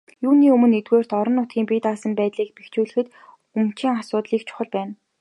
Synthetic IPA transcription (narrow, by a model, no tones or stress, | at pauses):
juːniːɵmɵ̆net̪weːr̥t̪ɔɾɞ̆nːʊt̪ɡʲiːmpiːt̪aːsə̆mpæːt̪ɮiːk̚pext͡ɕuːɮɘ̆xɘ̆t̪ | umt͡ɕʰiːŋasʊːt̪ɮiːkt͡ɕʰʊ̥χə̆ɮpæːn